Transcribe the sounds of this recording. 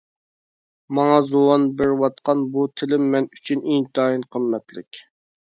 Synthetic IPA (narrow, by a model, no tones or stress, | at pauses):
mɑŋɑzuwɑnbɪɾwɑt̪̚qɑnbut̪ʰɪlɪmːɛnyt͡ʃʰyneŋt̪ʰɑinqʰəmːɛt̪lɪ̰kʲ